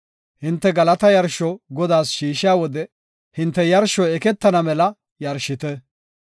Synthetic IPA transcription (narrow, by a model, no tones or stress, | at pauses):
hɪnt̪ːɛɡɐlɐt̪ɐjɐɾʃɔɡɔd̪aːsʃiːʃɪjaːwɔd̪ɛ | hɪnt̪ːɛjɐɾʃɔɛkɛt̪ːɐnɐmɛlɐ | jɐɾʃɪt̪ɛ